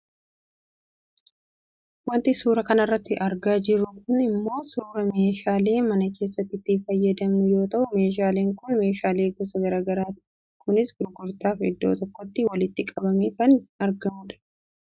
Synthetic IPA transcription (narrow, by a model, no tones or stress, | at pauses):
wɐnt̪ɪsuːɾɐkɐnɐrːɐt̪ːɪʔɐɾɡaːd͡ʒɪɾʊkʊnɪmːo̞ːsuːɾɐmeːʃaːle̞ːmɐnɐke̞ːs̬ːɐt̪ːɪt̪ːɪfɐjːɐd̪ɐmnʊjo̞ːt̪ɐʔʊmeːʃ̬aːle̞ːŋkʊnme̞ːʃaːle̞ːɡɔsɐɡɐɾaːɡɐɾaːt̪ɪ | kʊnɪsɡʊɾɡʊɾt̪aːfɪ̰d̪ːo̰ːt̪ɔkːɔt̪ːɪwɐlɪt̪ːɪkʼɐbɐmeːkɐnɐɾɡɐmʊᶑɐ̥